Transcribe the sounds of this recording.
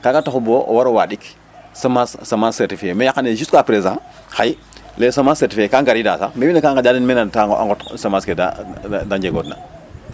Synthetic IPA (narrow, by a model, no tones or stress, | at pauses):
kakataxuboʔo̰waɾowa̰ɗik | samassamaseɾtifiemejakːaneʒustkapɾezã | xaj | lesamãseɾtifiekaŋɡaɾida̰sa̰mebinakãŋkad͡ʒaːdinmenataŋa̰ŋɡɔtsamaskeda̰dad͡ʒeɡoːtna̰